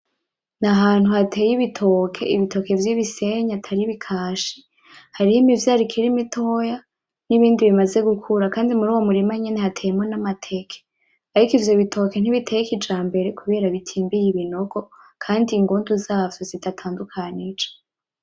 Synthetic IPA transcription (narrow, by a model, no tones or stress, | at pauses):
naɦaːn̥huhatʰe̞ːjiβitʰokʰe̞̰ʔiβitʰo̞ke̞vjiβise̞ɲatʰaɾiβikʰaːʃi | haɾihoimivjaːɾikʰiɾimitʰo̞ja | niβiːndiβimaze̞ɡukʰuɾakaːndimuɾuːwo̞muɾimaɲe̞ne̞hatʰejemŋonamatʰekʰe̥ | aɾikivjo̞βitʰo̞ken̥iβitʰejikid͡ʒaːmbe̞ɾekuβe̞ːɾaβitʰiːmbijiβino̞ɡo̞ | kʰaːndiŋɡoːnduzaːvjozidatʰaːndukʰanid͡ʒḁ